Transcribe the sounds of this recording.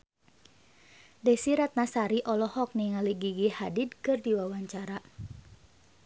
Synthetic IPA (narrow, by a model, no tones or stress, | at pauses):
dɛsiɾat̪̚nasaɾiʔɔlɔhɔk̚niŋaliɡiɡihadid̚kɨrdiwawaɲt͡ʃaɾa